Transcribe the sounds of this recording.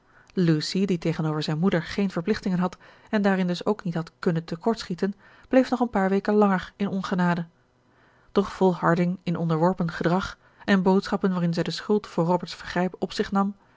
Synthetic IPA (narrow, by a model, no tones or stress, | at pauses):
lusiditejχənowvəɹzɛjnmudəɹχejnv̥əɹplɪχtɪŋənɦɑt | ɛndaːrɪndɵsowknitɦɑtkɵnəntəkɔɹtsχitən | b̥lejfnɔχənpaːɹʋejkənlɑŋəɹɪnɔnχənaːdə | d̥ɔχfɔlˠɦɑɹdɪŋɪnʔɔndəɹʋɔɹpənχədʁɑχ | ɛnbowtsχɑpənʋaːɾɪnzɛjdəsχɵlˠtfʊːɹrobəɹtsfəχrɛjpɔpsɪχnɑm